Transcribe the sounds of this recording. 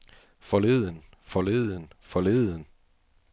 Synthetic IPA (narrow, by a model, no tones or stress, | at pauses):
fɒle̝ːðˠən | fɒle̝ðˠənfɒle̝ðˠən